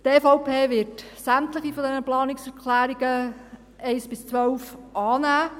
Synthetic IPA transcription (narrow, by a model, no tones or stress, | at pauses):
tɛfoʊpʰeːʋɪtsæmt̪ləχifɔdɛnəplɑːnɪksɛkʰlæːɾiɡə | ɛɪsb̥ɪst͡sʋœwfʔɑːnæː